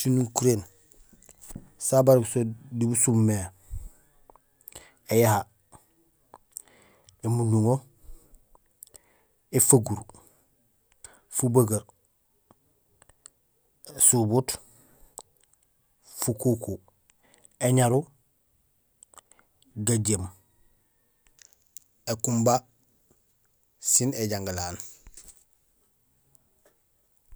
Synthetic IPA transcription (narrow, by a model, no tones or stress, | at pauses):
sinuŋkuɾen | sabaɾksodibusumːe | ejaha | emuɲuŋo | efaɡuɾ | fubaɡaɾ | subut | fukuku | eɲaɾu | ɡaɟem | ekumba | sineɟaŋɡlaːn